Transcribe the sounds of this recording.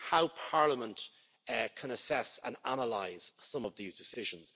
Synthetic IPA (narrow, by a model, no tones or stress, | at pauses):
haʊpʰaɹləmə̃nʔ | kʰə̃nəsɛsə̰̃na̰nəlaɪz̥sʌ̃məvðiːzdɪsɪʒə̃nz̥